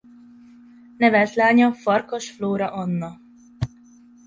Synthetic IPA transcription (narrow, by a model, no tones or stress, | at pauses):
nɛvɛlt̪laːɲɒfɒrkoʃfloːɾɒʔɒnːɒ